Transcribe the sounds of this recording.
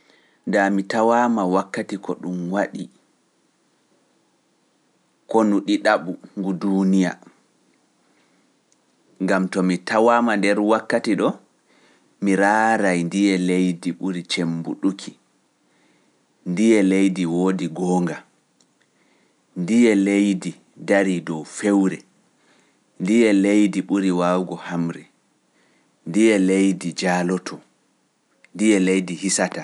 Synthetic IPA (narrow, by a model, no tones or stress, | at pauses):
ndamitawamawakːatikɔɗumwaɗi | kɔnuɗiɗaɓuŋɡudunija̰ | ŋɡamtɔmitawaːmandɛɾwakːatiɗɔ | miɾaːɾajndijɛlejdiɓuɾit͡ʃembuɗukʰi | ndijɛlejdiwoːdiɡɔːŋɡa | ndijɛlejdi | daɾidɔwfewɾɛ | ndijɛlejdiɓuɾiwawɡɔhamɾɛ | ndijɛlejdid͡ʒaːlɔtʰɔ | ndijɛlejdihisata